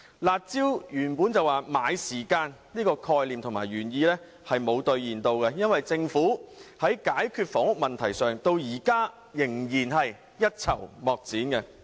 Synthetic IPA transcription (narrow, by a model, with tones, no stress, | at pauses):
laː˨˧t̚t͡siː˥wjyː˨˩npuː˨˥nt͡sɐ˨waː˨˩maː˨˧jsiː˨˩kaː˧nliː˥kɔː˧kʰɔː˧jliː˨mt̪ʰʊ˨˩ŋmaː˨˩jɥyː˨˩njiː˧lɛ˥ | hɐ˨jmo˨˧wt̪ɵ˧ɥjiː˨˩nt̪o˧wkɛ˧jɐ˥nwɐ˨jt͡sɪ˧ŋfuː˨˥hɐ˨˥jkaː˨˥jkʰyː˧t̚fɔː˨˥ŋʊ˥k̚mɐ˨nt̪ʰɐ˨˩jsœː˨ŋt̪o˧wjiː˨˩kaː˥ | jɪ˨˩ŋjiː˨˩nɦɐ˨j | jɐ˥t̚t͡sʰɐ˨˩wmɔː˨˩k̚t͡siː˨˥nkɛ˧